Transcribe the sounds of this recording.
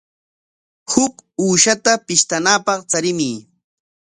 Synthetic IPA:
hʊkuːʃat̪apɪʃt̪anaːpɑχt͡saɾɪmiː

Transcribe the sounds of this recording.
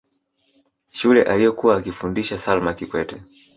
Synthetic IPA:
ʃulɛʔalijɔkuwaːkifundiʃasalmakikwɛtɛ

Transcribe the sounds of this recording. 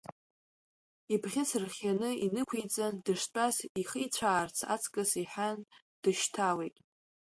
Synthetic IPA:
ibχʲɪsɨrχʲanɨinɨkʷʰejt͡sʼandɨʂt͡pʷʼasiχijt͡ɕʷʰaːrt͡sʰa̰t͡sʰkʼɨsiħan | d̥ɨʃtʰawejtʼ

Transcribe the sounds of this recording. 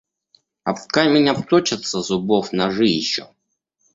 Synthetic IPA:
ɐp̪kajmʲɪnʲapt̪ot͡ɕɪt̪səzʊbofnɐʐɨjɪɕːo

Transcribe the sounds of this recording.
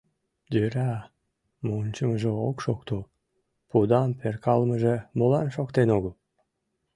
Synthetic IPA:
d̪øɾɑ | monʲt͡ɕəməʒeokʃokt̪o | pud̪ɑmperkɑlməʒemolɑnʃokt̪enoɣəl

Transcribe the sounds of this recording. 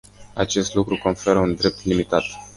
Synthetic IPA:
at͡ʃe̞st̪lukɾuko̞nfe̞ɾəund̪ɾe̞p̚t̪limit̪at̪

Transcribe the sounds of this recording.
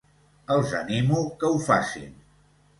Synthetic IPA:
əlˠzə̰nimukəufasḭn

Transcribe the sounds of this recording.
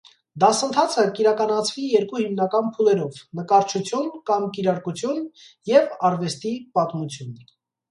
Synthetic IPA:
d̪ɑsənt̪ʰɑt͡sʰəkiɾɑkɑnɑt͡sʰvijɛɾkuhimnɑkɑnpʰulɛɾɔvnəkɑɾt͡ʃʰut͡sʰjunkɑmkiɾɑɾkut͡sʰjun | jɛvɑɾvɛst̪ipɑt̪mut͡sʰjun

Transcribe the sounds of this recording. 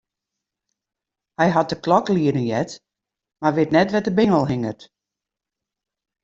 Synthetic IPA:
hɛjɦat̚dəklɔkliədənjɛt | marʋɪtnɛtʋɛtəbɪŋəlˠɦɪŋərt

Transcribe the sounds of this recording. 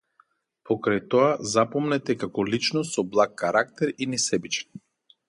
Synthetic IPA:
pʰɔkɾajt̪ɔazapɔmnɛt̪ɛkakɔlit͡ʃnɔsɔblˠakːaɾak̚t̪ɛɾinɛsɛbit͡ʃɛ̥n

